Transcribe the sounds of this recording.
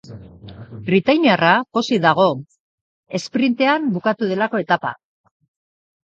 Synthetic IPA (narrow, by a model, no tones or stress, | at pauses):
bɾit̪ajniarakosiðaɣ̞o̞ | e̞spɾint̪e̞ambukat̪uð̞e̞lako̞e̞t̪apa̰